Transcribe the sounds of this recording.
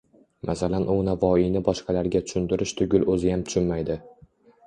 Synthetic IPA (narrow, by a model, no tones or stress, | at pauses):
mʔasalanʔʊnavɒijnɪbɒʃqʰɑlaɾɡʲat̪ʰʊ̥ʃʊnd̪ɪɾɪʃt̪ʰʊɡʲʊlɵzɪjamt̪ʰʊ̥ʃʰʊnmajd̪ɪ